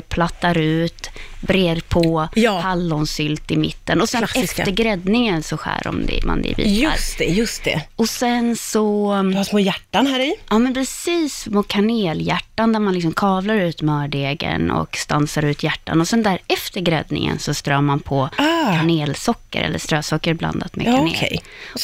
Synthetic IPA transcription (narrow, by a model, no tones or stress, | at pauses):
pʰlat̪ːaɾʉ̟ːt̪bɾeːɾpʰɔjːhalːɔnsʏlt̪ɪmɪ̰t̪ːənɔsɛnɛffəɾɡɾɛd̪nɪŋənsɔɧæ̰ːɾɔ̰md̪ɛ̰ma̰nd̪ɛ̰vḭːa̰ɾst̪ɛjɵst̪ɛɔsɛnsɔhasmoːjæʈːanhæːɾɪʔɑːmɛnpʰɾɛsiːsmɔkʰaneːljæʈːand̪æɾmanɪksɔmkʰɑːvlaɾʉ̟ːt̪mœːɖeːɡə̰nɔ̰kst̪ansaɾʉ̟ːt̪jæʈːa̰nɔsɛnd̪æɾɛft̪əɾɡɾɛd̪nɪ̰ŋə̰nsɔst̪ɾœːmanpʰɔakʰaneːlsɔkːə̰ɾʔɛ̰lːəʂt̪ɾøːsɔkːəɾbla̰nd̪at̪mɛ̰kːʰanḛkːʰɛ̰j